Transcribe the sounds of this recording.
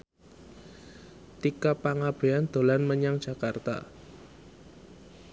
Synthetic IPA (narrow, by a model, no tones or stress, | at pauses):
t̪ikapaŋab̥ɾiand̪̥o̤lanməɲaŋdʒ̥a̤kart̪a̰